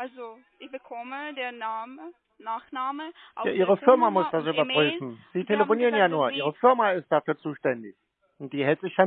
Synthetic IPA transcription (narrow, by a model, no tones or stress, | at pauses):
ʔalzo | ɪçb̥əkʰɔmədeːɐnamə | naːχnaːmə | ʔjaːʔiːʁəfɪɐmamʊsd̥asʔybɐʁ̥yːfn̩z̥iːtʰeləfoniːʁənjaːnuːɐʔiːʁ̞əfɪɐmaɪst̚d̥aːfyːɐt͡suːʃtɛndɪç | ʔʊntd̥iːhɛltz̥ɪçja